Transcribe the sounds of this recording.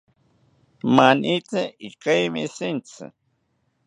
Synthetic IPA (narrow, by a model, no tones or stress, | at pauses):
manit͡sɪikajmɪ̰sɪnt͡sɪ̰